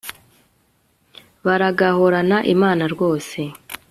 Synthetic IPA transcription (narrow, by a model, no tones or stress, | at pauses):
βaɾaɡaho̞ɾanaʔimaːnaɾɡo̞ːse̞